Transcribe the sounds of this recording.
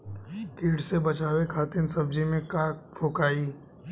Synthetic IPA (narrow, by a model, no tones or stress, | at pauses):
kiːʈsebɐt͡ʃaːwekʰaːt̪ɪnsəb̚d͡ʒimẽkaːkpʰoːkaːiː